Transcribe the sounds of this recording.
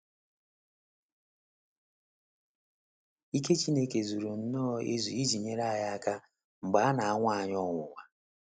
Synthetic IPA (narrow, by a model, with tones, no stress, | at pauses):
i˦ke˦t͡ʃi˦ne˦ke˨zu˨ɾu˨n̩˨nɔː˦˨e˦zu˨i˦d͡ʒi˨ɲe˦ɾa˦a˦˨ja˦a˦ka˦ | ŋ͡m̩˨ɡ͡ba˨˦a˦na˨a˦ŋʷa˦a˨ɲɔ˦ŋʊ˨wa˨